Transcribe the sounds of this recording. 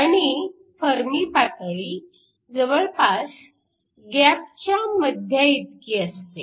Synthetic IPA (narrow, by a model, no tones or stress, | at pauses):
aɽ̃i | fəɾmiːpak̪ɭi | d͡zəʋəɭpas | ɡap̚t͡ɕjaməd̪ʱjaid̪̚kiəst̪e